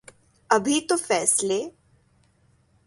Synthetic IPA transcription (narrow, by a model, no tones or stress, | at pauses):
ɐbʱit̪ofɛːsle